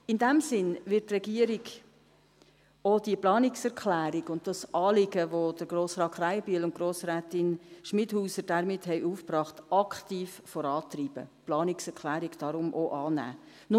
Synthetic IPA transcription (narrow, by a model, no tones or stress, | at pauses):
ɪndæmsɪnʋɪtːrɛɡiəɾɪɡ | od̥iəplɑːnɪksɛɾkʰlæːɾɪɡʊnt̚d̥ɑsɑːlɪɡəʋod̥əɾɡroːsrɑːtχɾaɪəbiəlʊnt̚ɡ̥ɾoːsræːtɪnʃmɪdhuːsəɾd̥æɾmɪthɛɪʔuːfprɑːχtʔɑkχtiːffɔɾɑːt̪riːb̥ə̰plɑːnɪksɛɾkʰlæːɾɪɡd̥ɑɾʊmʔoʔɑːnæ̰ː | nʊ